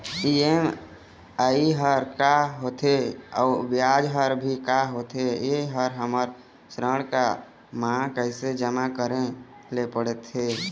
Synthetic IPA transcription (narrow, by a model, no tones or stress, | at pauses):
iem | aiɦəɾkaɦot̪ʰeɔːbjad͡ʒɦəɾbʱikaɦot̪ʰejeɦəɾɦəməɾ | sɾəɽ̃ka | mãkəɪsed͡ʒəmakəɾẽ | lepəɽet̪ɦe